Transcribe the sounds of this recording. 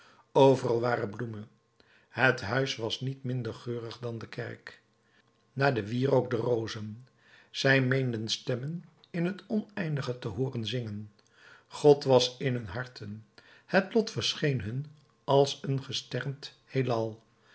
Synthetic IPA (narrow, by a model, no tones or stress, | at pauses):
owvərɑlˠʋaːɾəblumə | ɦətɦœɥsʋɑsnitmɪndəɹχøːrəχdɑndəkɛ̰ɹk | naːdəʋiːrowk̚dərowzən | z̥ɛjmejndənstɛmən | ɪnɦətɔnɛjndəχətəɦʊːrənzɪŋən | χɔtʋɑsɪnɦɵnɦɑɹtʰənhətlɔtfəɹsχejnɦɵn | ɑlˠsənχəstɛɹmt | helɑlˠ